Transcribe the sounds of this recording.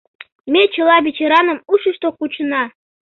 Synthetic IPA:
mʲet͡ɕʰɤ̆lˠɑβʲet͡ɕeɾɑnɤ̆muʃə̆ʃt̪okut͡ɕɤnɑ

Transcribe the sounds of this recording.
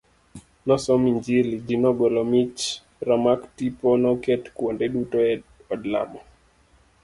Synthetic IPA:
nɔsɔmiɲd͡ʒilid͡ʒinɔɡwɛlɔmit͡ʃ | ɾamaktipɔnɔkɛtkwondɛɗutoɛ | ɔdla̰mɔ

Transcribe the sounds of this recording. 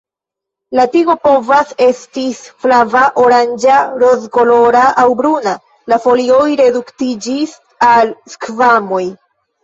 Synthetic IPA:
latiɡo̞po̞vase̞stiflavaʔoɾand͡ʒaɾo̞zɡolo̞ɾaʔawbɾuna | lafo̞lio̞jɾe̞duktid͡ʒis | alskvamo̞j

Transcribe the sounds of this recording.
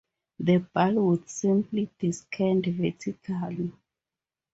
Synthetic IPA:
ðəbalwudsĩmplid̥iskʰɛ̃ndvɛd͡ʒikʰali

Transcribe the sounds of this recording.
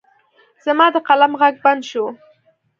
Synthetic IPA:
z̥amɑd̪əqalamɣaɡ̚band̪ʃu

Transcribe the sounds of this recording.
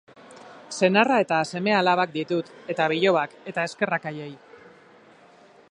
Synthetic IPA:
se̞narae̞t̪ase̞me̞alaβak̚d̪it̪ut̪e̞t̪aβ̞iʎo̞ake̞t̪ae̞ske̞rakaje̞j

